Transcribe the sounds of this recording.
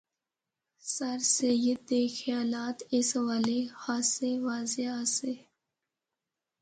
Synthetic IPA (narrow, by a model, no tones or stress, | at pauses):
sɐɾsejɪd̪exijaːlaːt̪ɪswalehaːseʋaːzease